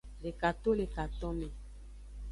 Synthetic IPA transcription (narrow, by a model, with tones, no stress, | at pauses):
le˨ka˨t̪o˦le˨ka˨t̪ɔ˦mɛ̃˨